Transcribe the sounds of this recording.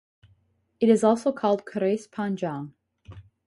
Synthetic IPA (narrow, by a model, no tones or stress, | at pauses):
ɪɾɪzɔˑlˠsoʊkʰɔːlˠd̚kʰəɾespʰɑ̃nd͡ʒɑ̃ŋ